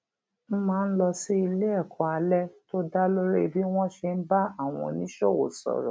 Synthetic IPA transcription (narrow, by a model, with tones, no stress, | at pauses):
m̩˦mãː˦˧n̩˦lɔ˧si˦i˧le˦ɛ˦˨kʰɔ˨a˧lɛ˦to˦da˦lo˦ɾe˦˨bi˦w̃ɔ̃˦ʃe˧n̩˦ba˦a˦˨w̃ɔ̰̃˨nĩ˦ʃɔ˦˨wo̰˨sɔ̰˨ɾɔ̰̃˨